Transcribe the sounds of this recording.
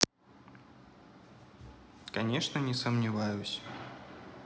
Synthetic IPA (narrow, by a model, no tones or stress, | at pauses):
kɐnʲɛʂnənʲɪsəmnʲɪvajʊsʲ